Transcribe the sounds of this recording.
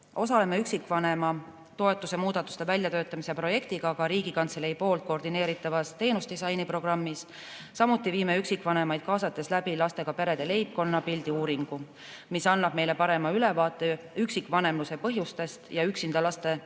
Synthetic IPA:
ʔo̞sɑle̞me̞yksikːˑvɑne̞mɑ | t̪o̞e̞t̪ːˑuse̞muːd̪̥ɑt̪ːˑu̥st̪e̞vælʲjɑt̪ø̞ːt̪ːˑɑmisepro̞je̞kt̪iɡ̥ɑkɑɾiːɡ̥ikɑnt̪selejipo̞ːlt̪̚ko̞rd̪ine̞ːɾit̪ːˑɑvɑst̪e̞ːnusd̪isɑjnipro̞ɡrɑmːis | sɑmut̪ːˑiviːme̞yksikːˑvɑne̞mɑjd̪̥̚kɑːsɑt̪ːˑe̞slæbilɑst̪e̞ɡ̥ɑpe̞ɾe̞d̪̥e̞le̞jp̚ko̞nːɑpild̪iuːɾiŋɡ̥u | misɑnːɑb̥̚me̞jle̞pɑɾe̞mɑyle̞vɑːt̪ːˑe̞ | yksikːˑvɑne̞mluse̞pɤ̞ɦjust̪e̞st̪jɑyksind̪ɑlɑst̪e̞

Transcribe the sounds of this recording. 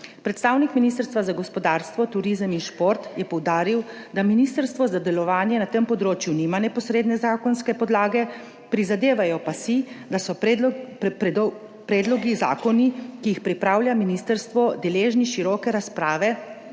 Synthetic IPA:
pɾɛt̪st̪aːwnikminist̪əɾst̪ʋazaɡɔspɔd̪aːɾst̪ʋɔt̪uɾizəminʃpoɾt̪jɛpɔwd̪aːɾiwd̪aminist̪əɾst̪ʋɔzad̪ɛlɔʋaːnjɛnat̪əmpɔd̪ɾoːt͡ʃjunimanɛpɔsɾeːd̪nɛzaːkɔnskɛpɔd̪laːɡɛ | pɾizad̪eːʋajɔpasid̪asɔ | pɾɛːd̪lɔɡiza̰ːkɔnikijixpɾipɾaːwljaminist̪əɾst̪ʋɔd̪ɛleːʒniʃiɾɔːkɛɾaspɾaːʋɛ

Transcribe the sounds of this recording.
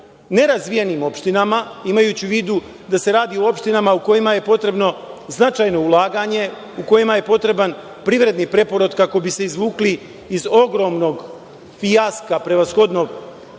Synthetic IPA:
ne̞ɾazʋijenimo̞pʃt̪inamaimajuːt͡ɕiʋiːd̪u | d̪ase̞ɾaːd̪io̞o̞pʃt̪inamauko̞jimaje̞po̞t̪ɾe̞bno̞znat͡ʃajno̞ulˠaːɡaɲe̞ | uko̞jimaje̞po̞t̪ɾe̞ban | pɾiʋɾe̞d̪nipɾe̞po̞ɾod̪kako̞bise̞izʋuːkliː | zo̞ɡɾo̞mno̞ɡ | fijaskapɾe̞ʋasxo̞d̪no̞ɡ

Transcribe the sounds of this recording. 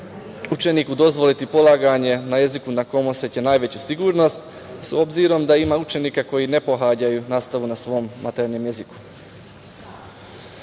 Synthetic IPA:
ut͡ʃe̞niːkud̪o̞zʋo̞lit̪ipo̞lˠaːɡaɲe̞naje̞zikunako̞moset̪jenaːjʋe̞t͡ɕusiɡuːɾno̞st̪ | so̞bziɾo̞md̪aimaut͡ʃe̞niːkako̞jine̞po̞ɦad͡ʑajunaːst̪aʋunasʋo̞ːmːa̰t̪eɾnomjeziku̥

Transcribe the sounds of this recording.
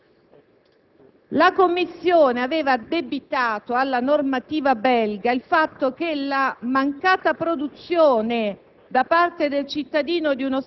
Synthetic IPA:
lakomːisːjoːneaveːvad̪ebit̪aːt̪oalːanormat̪iːvabɛlɡailfat̪ːok̟elamaŋkaːt̪apɾod̪ut̪sːjoːne | d̪apart̪ed̪elt͡ʃit̪ːad̪iːnod̪iunos

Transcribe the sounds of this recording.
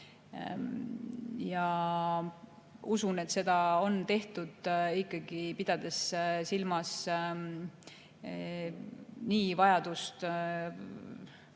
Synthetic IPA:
jɑ | usune̞t̪se̞d̪̥ɑo̞nt̪e̞ht̪ud̪̥ikˑːɑɡ̥ipid̪̥ɑd̪̥e̞ssilmɑs | niːvɑjɑd̪ust̪

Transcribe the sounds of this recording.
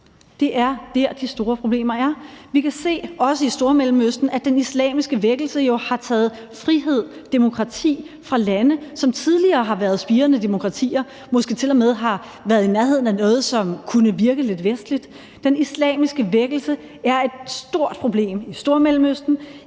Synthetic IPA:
d̥e̝ʔæɐd̥eɐ̰d̥isd̥o̝ːɐpʰʁo̝b̥le̝̰ːmɐæɐʋikʰæse̝̰ːɒ̽səisd̥o̝ɐmelm̩øsd̥n̩æd̥enislɛ̰ːmisɡ̥əʋeɡ̥l̩səjo̝hɑ̈t͡sʰɛ̰ːð̞̩ˠ | fʁiɦe̝ð̞̰ˠd̥emo̝kʰʁɑ̈t͡sʰḭː | fʁɑ̈lænəsɒ̽mt͡sʰið̞ˠliɐːɦɑ̈ʋæɐð̞̩ˠsb̥iːɐnəd̥e̝mo̝kʰʁɑ̈t͡sʰḭːɐ | mɒ̽sɡ̥et͡sʰe̝lɒmeð̞ˠɦɑ̈ | ʋæːɐðˠinæɐɦe̝ð̞ˠn̩ænɔ̽ːð̞̩ˠsɒ̽mkʰunəʋiɐɡ̥əle̝d̥ʋesd̥lid̥ | d̥enislɛ̰ːmisɡ̥əʋeɡ̥l̩sə | æɐe̝d̥sd̥o̝ɐ̰d̥̚pʰʁo̝b̥le̝̰ːmisd̥o̝ɐmelm̩øsd̥n̩

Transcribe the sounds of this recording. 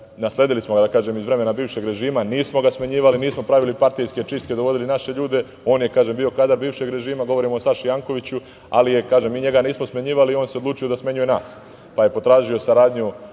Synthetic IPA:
nasle̞d̪ilismoɡad̪akaːʒemizʋɾe̞me̞nabiːʋʃe̞ɡɾe̞ʒiːmaniːsmo̞ɡasmaɲiːʋaliniːsmo̞pɾaʋilipaɾt̪ijske̞t͡ʃist̪ke̞d̪oʋo̞d̪ilinaʃe̞ʎuːd̪e̞ | o̞ːnjekaːʒembiːo̞kaːd̪aɾbiːʋʃe̞ɡɾe̞ʒiːmaɡo̞ʋo̞ɾimoosaʃijaŋko̞ʋit͡ɕu | a̰lije̞kaːʒemːiːɲe̞ɡaniːsmosmaɲiːʋalio̞ːnsed̪luːt͡ʃijo̞d̪asmeɲuje̞na̰ːs | paje̞po̞t̪ɾaːʒio̞saɾaːd̪ɲu

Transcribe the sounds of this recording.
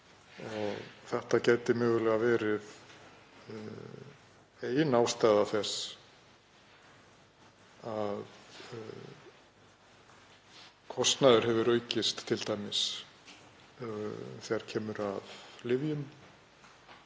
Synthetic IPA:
ɔɣθɛht̪acaːjt̪ɪmœːɣʏlɛɣavɛːɾɪð | ejnaːwst̪ajðaθɛs | að | kʰɔst̪naðʏɾ̥hɛvʏɾœːɥcɪst̪ʰːɪlt̪ajmɪs | θɛaɾ̥cʰɛːmʏɾaðlɪvjʏm

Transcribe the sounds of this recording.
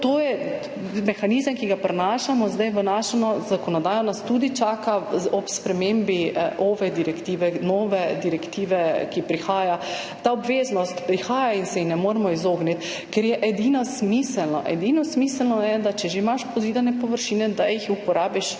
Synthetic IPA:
t̪ojɛ | mɛxaniːzəmkiɡapɾɛnaːʃamɔzd̪ajʋənaʃɛnɔzakɔnɔd̪aːjɔnast̪ud̪it͡ʃaːkaɔpspɾɛmembiʔɔʋɛd̪iɾɛkt̪iːʋɛnɔːʋɛd̪iɾɛkt̪iːʋɛkipɾixaːja | t̪aɔbʋeːznɔst̪pɾixaːjainsɛjixnɛmoɾɛmɔizoːɡnit̪ | kɛɾjɛʔɛd̪inɔsmisəlnɔ̰ʔɛd̪inɔsmiːsəlnɔjɛd̪at͡ʃɛʒeimaʃpɔziːd̪anɛpɔʋəɾʃiːnɛd̪ajixupɔɾaːbiʃ

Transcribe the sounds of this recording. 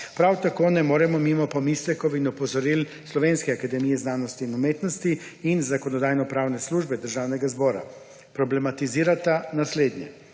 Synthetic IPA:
pɾawt̪akoːnɛmoːɾɛmɔmimɔpɔmislɛkɔwinupɔzɔɾil | slɔʋenskɛakad̪ɛmijɛznaːnɔst̪iːnumeːt̪nɔst̪iinzakɔnɔd̪aːjnɔpɾaːwnɛsluʒbɛd̪əɾʒaːwnɛɡazbɔːɾa̰ | pɾɔblɛmat̪iziːɾat̪anasleːd̪ɲjɛ

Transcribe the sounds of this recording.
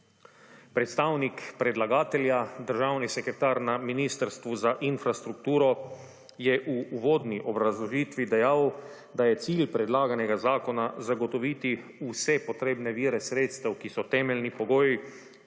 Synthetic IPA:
pɾɛt̪st̪aːwnikpɾɛd̪laɡaːt̪ɛljad̪əɾʒawnisɛkɾɛt̪aːɾnaminiːst̪əɾst̪ʋuzaʔinfɾast̪ɾuk̚t̪uːɾɔ | jɛʔuːʋoːd̪niʔɔbɾazlɔʒiːt̪ʋid̪ɛjaw | d̪ajɛt̪siːlpɾɛd̪laːɡanɛɡazaːkɔnazaɡɔt̪ɔʋiːt̪iusɛpɔt̪ɾeːbnɛʋiːɾɛsɾeːt̪st̪ɛwkisɔt̪ɛːmɛlnipɔɡoːji

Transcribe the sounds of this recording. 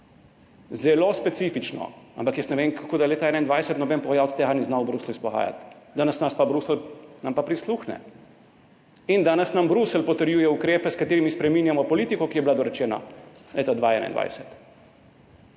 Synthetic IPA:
zɛlospɛt̪sifit͡ʃnɔ̰a̰mpakjɛsnɛʋeːŋkʰakoːd̪ajleːt̪aɛːnaind̪ʋajsɛt̪nɔbɛnpɔɣajawt̪st̪ɛɦaniznawbɾusluispɔɣa̰ːja̰t̪d̪aːnɛsnaspabɾuslnampapɾisluːxnɛ̰ | ind̪aːnɛsnambɾusɛlpɔt̪əɾjuːjɛukɾeːpɛskat̪eːɾimispɾɛminjamɔpɔliːt̪ikɔkijɛbilad̪ɔɾɛt͡ʃɛːna̰leːt̪ad̪ʋaɛ̰na̰ind̪ʋa̰jsɛt̪

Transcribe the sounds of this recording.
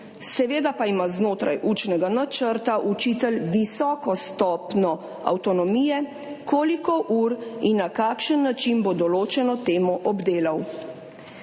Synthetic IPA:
sɛʋeːd̪apaimaznoːt̪ɾa̰jʔuːt͡ʃnɛɡanat͡ʃəɾt̪aʔut͡ʃiːt̪ɛlʋisɔːkɔst̪ɔpnɔ | a̰wt̪ɔnɔmiːjɛ | kʰoːlikɔʔuːɾinːakaːkʃənːat͡ʃinbod̪ɔloːt͡ʃɛnɔt̪eːmɔʔɔbd̪eːlaw

